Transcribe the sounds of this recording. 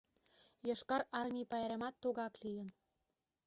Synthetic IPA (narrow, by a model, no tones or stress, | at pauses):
jɤʃkɑɾɑrmʲipɑjɑɾemɑt̪ːoɣɑklijə̆n